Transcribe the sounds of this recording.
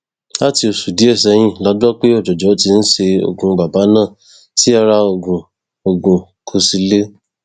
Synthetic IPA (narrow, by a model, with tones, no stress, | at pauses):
a˦˨ti˧o˨su˨di˨˦ɛ˦˨sɛ˨˧j̃ĩ˦˨la˨˦du˦ɔ˦k͡pe˦ɔ˦˨d͡ʒɔ˨d͡ʒɔ˨˦ti˧n̩˦ʃe˧o̰˧ɡũ˧ba˨ba˨˦nãː˦˨ | ti˦a˦˧ɾa˧o˧˨ɡũ˨ | o˨ɡũ˨ | kʰo˧si˧le˦